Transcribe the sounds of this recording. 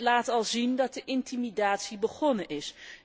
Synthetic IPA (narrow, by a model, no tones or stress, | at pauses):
laːtɑlˠzindɑt̚dəʔɪntimidaːtsibəχɔnənʔɪs